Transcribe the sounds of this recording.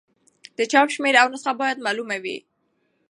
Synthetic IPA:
d̪̥ət͡ʃɑpʃmeɾawnəsxabɑjad̪malumawḭ

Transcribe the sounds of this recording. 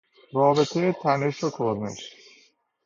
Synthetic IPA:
rɒːbet̪ʰejet̪ʰæneʃok̪ʰoɾnḛʃ

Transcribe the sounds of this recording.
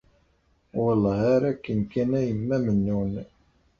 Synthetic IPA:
wəlˤːɑhæɾækːənkænæjəmːæmənːun

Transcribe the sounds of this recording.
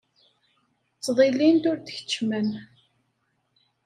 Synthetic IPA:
t͡sːðˤilint̪ʊɾt̪əçə̥t͡ʃːmən

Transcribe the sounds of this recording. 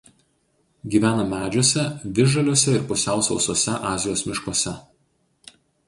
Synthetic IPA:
ɡʲiːʋʲæːnɐmʲæːd͡ʒʲoɔsʲɛʋʲɪʒɐlʲoːsʲɛɪɾpʊsʲæˑʊsɐʊsoɔsʲɛʔɑːzʲɪjoːsmʲɪʃkoɔsʲɛ

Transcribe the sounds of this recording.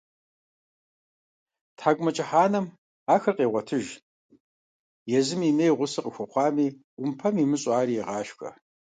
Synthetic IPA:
tʰħaːkʷʼʊmɐt͡ʃʼɪħaːnɐm | aːxɐrqʼeːʁʷɔtʰɨʒ | jɛzɨmimejʁʷʊsɨqʼəxʷɐχʷɑːmiː | ʊmpʰɐmiːmɨɕʼaːriːɛʁɑːʃxɐ̰

